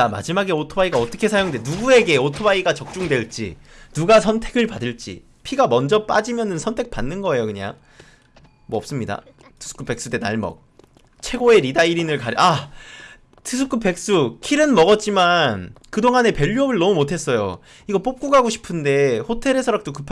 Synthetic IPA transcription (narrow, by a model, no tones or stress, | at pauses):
t͡ɕama̰d͡ʑimaɡe̞otʰobaiɡaʌt͈ʌkʰe̞sʰajoŋnde̞nuɡue̞ɡe̞otʰobaiɡat͡ɕʌk̚t͡ɕ͈uŋde̞ɭt͡ɕ͈ḭnuɡasʰʌntʰe̞ɡɯɭpadɯɭt͡ɕ͈ḭ | pʰiɡamʌnd͡ʑʌp͈a̰d͡ʑimjʌnɯnsʰʌntʰek̚panːɯnɡʌe̞jokɯɲa̰ | mwʌʌps͈ɯmɲida̰ | tʰɯ̥sʰu̥k͈ʰɯp͈ʰe̞k̚s͈ude̞na̰ɭmʌ̰k̚ | t͡ɕʰe̞ɡoe̞ɾidaiɾinɯɭkaɾa | tʰɯsʰuk͈ʰɯpe̞k̚s͈ukʰiɾɯnmʌɡʌt̚t͡ɕ͈imankɯdoŋane̞pe̞ʎːuʌbɯɭnʌmumotʰe̞s͈ʌjo̰ | iɡʌp͈op̚k͈uɡaɡoɕʰi̥pʰɯnde̞ɸotʰe̞ɾesʰʌɾʌk̚t͈okɯpʰ